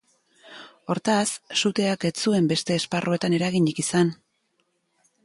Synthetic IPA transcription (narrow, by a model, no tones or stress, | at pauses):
o̞ɾt̪asːut̪e̞ake̞t͡sue̞mbe̞st̪e̞ːsparʔo̞e̞t̪ane̞ɾaɣiɲikisan